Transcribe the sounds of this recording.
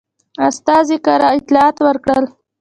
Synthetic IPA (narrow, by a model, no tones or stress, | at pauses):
ast̪ɑzikaɾaɪt̪lɑɑt̪wəɾkɽəl